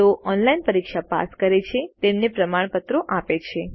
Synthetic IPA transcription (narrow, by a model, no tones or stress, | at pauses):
oʔɔnlainpəɾikʃapa̰skəɾet͡ʃʰet̪emnepɾəmaɳpət̪ɾoʔapet͡ʃʰe